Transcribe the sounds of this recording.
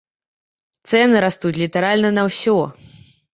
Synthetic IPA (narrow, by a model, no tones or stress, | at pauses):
t̪sɛnɨɾast̪ut͡sʲlʲit̪ɐɾalʲnɐnɐwsʲɔ